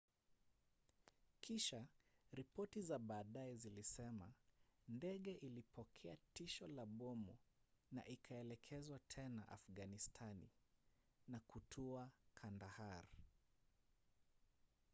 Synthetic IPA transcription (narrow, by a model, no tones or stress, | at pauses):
kʰiʃaɾipɔtizaɓaːɗaɛzilisɛmandɛɠɛʔilipʰɔkʰɛatiʃɔlaɓɔmuna̰ʔikʰaɛlɛkʰɛzwatʰɛnaʔa̰fɡanistʰanḭ | nakutʰuakʰandahaɾ